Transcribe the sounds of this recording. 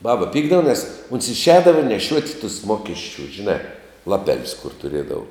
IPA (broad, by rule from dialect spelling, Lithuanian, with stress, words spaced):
ˈbɑːbɐ ˈpʲiːɡdɐʋɐ nʲɛs oːns ɪʃʲˈɛːdɐʋɐ nʲɛˈʃʲuɔtʲ tʊs ˈmoːkʲɛsʲt͡ʃʲʊ ʒʲɪˈnɑː lˠɐˈpʲæːlʲʊs kʊr tʊˈrʲiɛdɐʋʊ